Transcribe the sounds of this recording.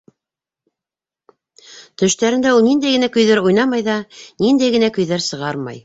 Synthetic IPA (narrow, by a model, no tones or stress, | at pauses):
t̪ɵ̆ʃt̪æɾɘ̆nd̪æulˠnind̪æjɡɘ̆nækɵ̆jðæɾujnɑmɑjðɑnind̪æjɡɘ̆nækɵ̆jðæɾsɤ̆ʁɑɾmɑ̰j